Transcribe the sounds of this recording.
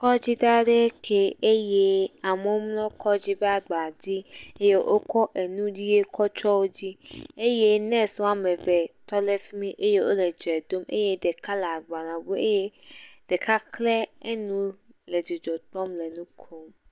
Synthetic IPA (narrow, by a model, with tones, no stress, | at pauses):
kɔ˦d͡ʑi˦da˦ɖe˦kʰe˨e˦je˦a˨mẽ˦wo˦mlɔ̃˦kɔ˦d͡ʑi˦bɛ˦a˨ɡ͡ba˨d͡ʑi˦e˦je˦ʔo˦kɔ˦ʔe˨nũ˦d͡ʑi˦je˦kʰɔ˦t͡ʃɔ˦wo˦d͡ʑi˦e˦je˦nɛ̃˦sɔ˦a˨mɛ̃˨vɛ˨t̪ɔ˦le˦fi˦mĩ˦ʔe˦je˦ʔo̰˦le˨d͡ʒɛ˨d̪o˦mḛ˦je˦de˨ka˦la˨ɡ͡ba˨nã˨bo˦e˦je˦d̥e˨ka˦klɛ˦e˦nũ˦le˨d͡ʒo˨d͡ʒɔ˨t̪ɾɔ̃˦mlɛ˨nũ˦kʰo˦m